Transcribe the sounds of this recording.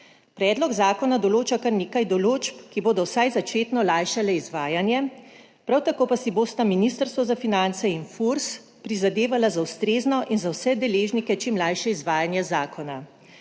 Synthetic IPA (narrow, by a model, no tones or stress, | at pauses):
pɾɛːd̪lɔɡzaːkɔnad̪ɔloːt͡ʃakaɾneːkajd̪ɔloːt͡ʃpkiboːd̪ɔwsajzat͡ʃeːt̪nɔlajʃalɛizʋaːjanjɛ | pɾawt̪akoːpasiboːst̪aminist̪əɾst̪ʋɔzafinant̪sɛinfuɾs | pɾizad̪eːʋalazawst̪ɾeːznɔʔinzawsɛd̪ɛleːʒnikɛt͡ʃimlajʃɛizʋaːjanjɛzaːkɔna